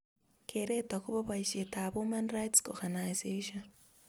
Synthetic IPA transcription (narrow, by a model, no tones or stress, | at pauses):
kʰeɾetakuβaβaiʃetaβumanrajtsoɡanajzeʃon